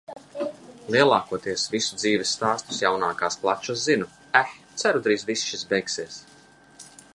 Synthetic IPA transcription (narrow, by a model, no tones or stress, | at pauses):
lˠiɛlˠaːkuɔt̪iɛsvisud̪ziːvʲɛsːt̪aːst̪u̥sjawnaːkaːsplˠat͡ʃaszinu | ɛt̪sæɾud̪ɾiːzvisʃisbɛjksiɛs